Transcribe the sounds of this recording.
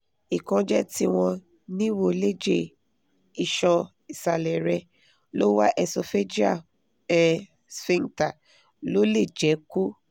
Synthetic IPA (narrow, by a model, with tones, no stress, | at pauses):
i˨kɔ̃˧d͡ʒɛ˦ti˦w̃ɔ̃˧ | nĩ˦wo˧˨le˦d͡ʒe˦˨ | i˨ʃɔ̃˧ | i˨sa˨lɛ˨ɾɛ˧ | lo˦wa˦ʔɛ˧so˧fe˦d͡ʒi˦a˦˨ | ɛ˨ | sfĩ˦nta˦˨ | lo˦le˦˨d͡ʒɛ˨˦ku˦